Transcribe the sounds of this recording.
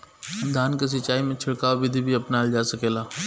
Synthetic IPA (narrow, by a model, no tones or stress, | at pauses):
d̪ʱaːnkes̬ɪt͡ʃːaːimẽt͡ʃʰɪɽkaːobɪd̪ʱibʱiɐpnaːld͡ʒaːsɐkeːlaː